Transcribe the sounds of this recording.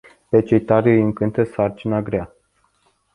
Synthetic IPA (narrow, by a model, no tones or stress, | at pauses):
pet͡ʃejt̪aɾʲəjɨŋkɨnt̪əsart͡ʃinaɡɾea